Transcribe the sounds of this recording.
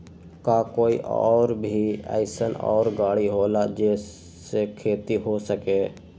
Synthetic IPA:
kaːkoːiʔɔ̰ːɾbʱia̰ːɪsənɔ̰ːɾɡaːɽiɦoːlad͡ʒeːs | ekʰeːt̪iɦosəkeː

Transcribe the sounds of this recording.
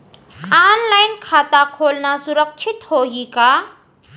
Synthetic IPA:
aːnlajnkʰaːt̪akʰoːlnasʊɾək̚t͡ʃʰit̪hoːɦika

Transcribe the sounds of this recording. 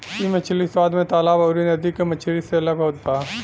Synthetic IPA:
imɐt͡ʃʰliswaːd̪mẽt̪aːlaːbɐːɾinɐd̪ikemɐt͡ʃʰliseɐləɡɦoːt̪aː

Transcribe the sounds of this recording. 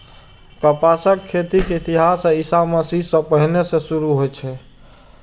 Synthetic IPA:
kəpasəkʰːet̪ikeit̪iɦasisaməsisə̃pəɦnesẽsuɾuɦojt͡ʃʰɛ

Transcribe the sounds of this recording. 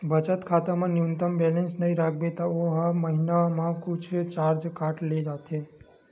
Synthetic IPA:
bət͡ʃət̪kʰat̪amãnjunt̪əmbɛlensnəiɾak̚ʰbet̪aoɦəməɦinamãkut͡ʃʰt͡ʃaɾd͡ʒkaʈled͡ʒat̪e

